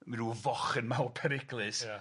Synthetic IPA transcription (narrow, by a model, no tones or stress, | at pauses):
minuːvɔχənmawpʰɛɾɪɡlˠɨs